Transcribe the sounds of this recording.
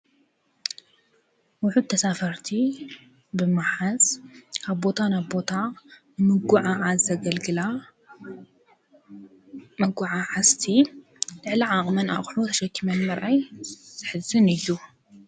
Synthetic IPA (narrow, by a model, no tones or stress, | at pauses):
wʊħut̪ʰːɐsafɐɾt̪ʰi | bɨmaħazʰaβbo̞t̪ʰanaβbo̞t̪ʰanɨmɨɡuʕaʕazɐɡɐlɡɨla | mɐɡuʕaʕast̪ʰi | lɨʕliʕaχʼmɐna̰ʔχʼħlot̪ʰɐʃɐkʰːimɐnmɐɾʔajz̥ɨħɨzɨnɨjːu